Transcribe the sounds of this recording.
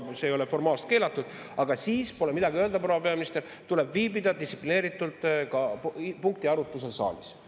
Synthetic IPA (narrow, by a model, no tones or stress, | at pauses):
se̞ːjo̞le̞fo̞rmɑːlst̪̚ke̞ːlɑt̪ːˑud̪̥ | ɑɡ̥ɑsiːspo̞le̞mid̪̥ɑɡiø̞eld̪ɑpɾoɑpe̞ɑmist̪e̞l | t̪ule̞bviːbid̪ɑd̪isːi̥pline̞ːɾit̪ːˑult̪ˑkɑpuŋk̚t̪iɑɾut̪ːˑus̬e̞lsɑ̰ːlis